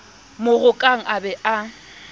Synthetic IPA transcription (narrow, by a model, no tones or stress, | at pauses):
mʊɣʊkʼaŋ̩ʔabɛʔa